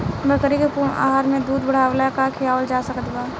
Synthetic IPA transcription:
bəkəɾikepuːma̰ːɦaɾmẽd̪uːd̪bəɽ̤aːʋlakakʰiaːwəld͡ʒaːsɐkəd̪ɡaː

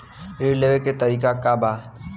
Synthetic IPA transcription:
ɾileʋeket̪əɾiːkakaba

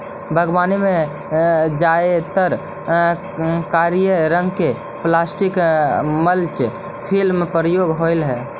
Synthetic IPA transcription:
bʱəɡwanime | d͡ʒaet̪əɾ | kaɾjəɾəŋɡke | plasʈikməlt͡ʃ | pʰilmpɾəjoɡɦoɪlɦɛː

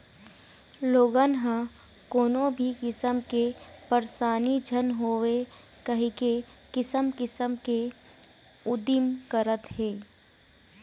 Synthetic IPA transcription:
loːɡənɦã | koːnõbʱikɪsəmke | pəɾsaːnid͡ʒʱənɦoːʋe | kəɦĩke | kɪsəmkɪsəmke | ʊd̪ɪmkəɾət̪ɦeː

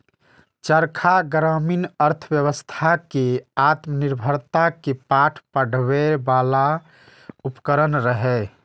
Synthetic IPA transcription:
t͡ʃəɾkʰaɡɾaminəɾt̪ʰəbjəβəst̪ʰakeat̪məniɾbʱəɾt̪akepaʈʰpəɽ̤ʋebala | upkəɾənɾəɦɛ

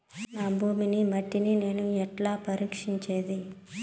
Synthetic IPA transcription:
naːbʱuːminimɐʈːinine̞ːnuɛʈlaːpɐɾiːkʂiɲt͡ʃeːd̪i

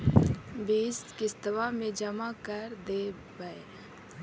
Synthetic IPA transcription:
biːskist̪əʋamẽd͡ʒəmakəɾd̪eː | bae

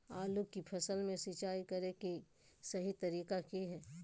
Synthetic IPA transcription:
aːlukipʰɐsəlmẽsit͡ʃaːikɐɾeki | sɐɦit̪ɐɾiːkakiɦɛː

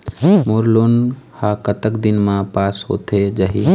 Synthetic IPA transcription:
moːɾloːnhaːkət̪əkd̪ɪnmãpaːsɦo̰ːt̪ʰed͡ʒəɦiː

